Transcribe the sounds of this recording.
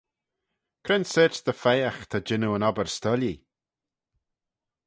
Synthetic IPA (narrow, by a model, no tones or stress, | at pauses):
kʰɾɛnsɛːt͡ʃðəfɛjaxt̪ʰad͡ʒɪnuənɔbəɹst̪ɔli